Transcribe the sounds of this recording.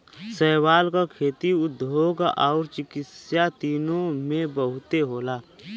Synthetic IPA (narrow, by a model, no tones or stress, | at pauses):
sɛːwaːlkakʰeːt̪iʊd̪ʱːoːɡɔ̰ːɾt͡ʃɪkɪsjat̪iːnõmẽbəɦʊt̪eɦoːlaː